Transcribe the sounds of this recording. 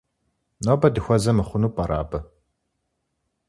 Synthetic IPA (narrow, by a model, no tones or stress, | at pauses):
noːbɐdɨxʷɐzɐmɨχʷʊnuːpʼɐɾaːbɐ